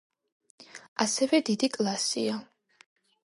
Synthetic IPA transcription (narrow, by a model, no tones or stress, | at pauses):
asɛvɛd̪id̪ikʼlˠasḭa